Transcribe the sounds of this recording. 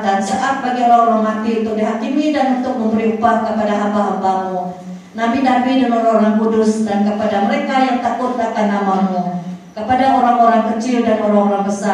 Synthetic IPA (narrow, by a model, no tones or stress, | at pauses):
dansaʔat̪̚baɡioɾaŋoɾaŋmat̪iunt̪ʊk̚diɦakimidanunt̪ʊk̚məmbəɾiupakəpadaʔabaɦabamu | nabidabidəŋaooɾaŋkudʊsdankəpadaməɾekajaŋt̪akʊt̪̚nakanːamamukəpadaoɾaŋoɾaŋkət͡ʃɪldanoɾaŋoɾaŋbəsa